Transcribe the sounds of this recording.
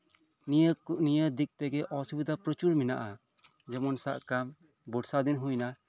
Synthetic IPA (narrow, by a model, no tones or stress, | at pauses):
nijəd̪ik̚t̪ɛɡɛʔɔsubid̪apɾɔt͡ʃuɾmina̰ʔa | d͡ʒɛmɔnsa̰ʔkam | buɽsad̪inɦujna